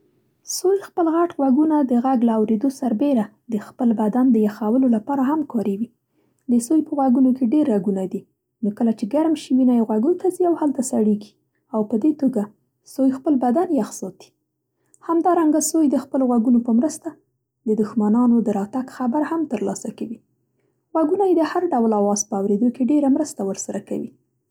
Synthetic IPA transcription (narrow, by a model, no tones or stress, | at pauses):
sojxpəlɣaʈɣwaɡunad̪əɣaɡlaːwɾed̪osaɾbeɾa | d̪əxpəlbad̪and̪əjaxawəlolapɑɾaɦamkʰɑɾewi | d̪əsojpəɣwaɡunokeɖeɾːaɡunad̪i | nokəlat͡ʃeɡaɾmʃiwinajɣwaɡut̪ʰaziawhalt̪asaɽeɡi̥ | awpəd̪et̪oɡa | sojxpəlbad̪anjaxsɑt̪i̥ | hamd̪ɑɾaŋɡasojd̪əxpəloɣwaɡunopəmɾəst̪a | d̪əd̪ʊxmanɑnod̪əɾɑt̪aɡxabaɾhamt̪əɾlɑsakawi | ɣwaɡunajed̪əhaɾɖawlawɑzpəawɾed̪okeɖeɾamɾəst̪awəɾsaɾaka̰wḭ